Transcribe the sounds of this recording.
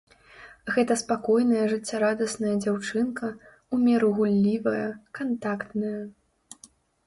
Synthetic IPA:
ɣɛt̪ɐspakɔjnɐjɐʐɨt͡sʲːaɾad̪ɐsnɐjɐd͡zʲawt͡ʂɨnkɐ | umʲɛɾuɣulʲːivɐjɐkant̪akt̪nɐjɐ

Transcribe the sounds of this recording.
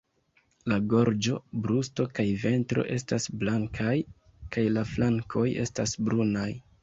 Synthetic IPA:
laɡo̞ɾd͡ʒo̞bɾusto̞kajve̞ntɾo̞̰ʔe̞stasblaŋkʰaj | kajlaflaŋkʰo̞je̞̰stasbɾunaj

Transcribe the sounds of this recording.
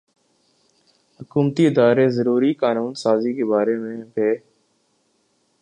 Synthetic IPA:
hʊkuːmt̪iːɪd̪aːɾeːzəɾuːɾiːkaːnuːnsaːziːkeːbaːɾeːmẽːbʱeː

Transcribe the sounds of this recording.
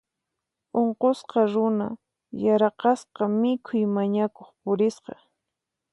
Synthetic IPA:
oɴqosqɑɾʊna̰ | jaɾɑqɑsqɑmɪkʰʊjmaɲakoχpʊɾɪsqɑ

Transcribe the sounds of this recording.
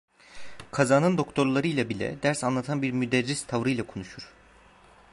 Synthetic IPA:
kʰazaːnɯnd̪o̞kt̪ʰo̞ɾlˠaɾɯjlʲˠabilʲɛ̰d̪æɾsanlˠat̪ʰanbiɾmyd̪ɛɾːist̪ʰavɾɯjlˠakʰo̞nuʃuɾ̥

